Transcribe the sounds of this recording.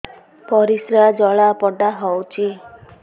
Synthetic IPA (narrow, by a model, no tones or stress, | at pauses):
pɔɾisɾad͡ʒɔɭapɔɖaɦɔwt͡ʃʰi